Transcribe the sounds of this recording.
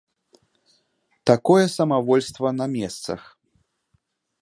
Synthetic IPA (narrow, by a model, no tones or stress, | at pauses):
t̪akɔjɛsɐmavɔlʲst̪vɐnɐmʲɛst̪sɐ̰x